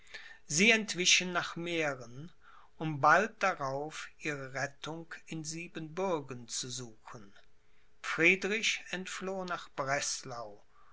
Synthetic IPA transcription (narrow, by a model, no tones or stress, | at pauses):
ziːɛntv̥ɪʃənːaːχmeːʁən | ʔʊmbalt̚d̥aʁaʊfʔiːʁəʁɛtʰʊŋkɪnziːbənbʊɐɡənt͡suzuːxən | fʁ̥iːdʁɪçɛntfloːnaːχb̥ʁɛslaʊ